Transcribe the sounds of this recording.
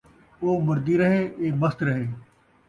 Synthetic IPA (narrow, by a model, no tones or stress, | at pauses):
oːmʊɾd̪iːɾɐɦeʔeːməst̪ɾɐɦeː